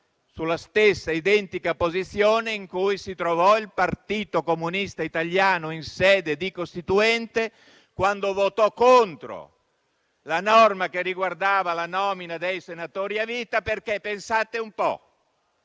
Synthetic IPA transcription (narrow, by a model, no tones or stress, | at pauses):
sulast̪esːaid̪ɛnt̪ikapozit̪sːjoːneiŋkujsit̪ɾovɔilpart̪iːt̪okomunist̪ait̪aljaːnoinsɛːd̪ed̪ikost̪it̪uɛnt̪e | kwand̪ovot̪ɔkːont̪ɾo̰ | lanɔrmakerːiɡward̪aːvalanɔːminad̪ejsenat̪oːɾiaviːt̪aperkepensat̪eumpɔ̰